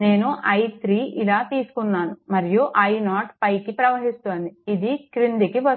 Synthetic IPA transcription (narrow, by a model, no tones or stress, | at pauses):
ne̞ːnuʔɐjt̪ɾiːʔilaːt̪iːsu̥kunːaːnumɐɾijuʔɐjnaːʈpɐjkipɾɐʋɐɦist̪oːnd̪iid̪ikɾind̪ikiʋɐ